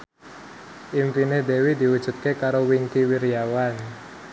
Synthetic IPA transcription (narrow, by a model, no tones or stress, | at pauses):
ʔimfined̪ewid̪i̤wud̥ʒ̥ṳt̪̚kekaɾowiŋkiwiɾijawan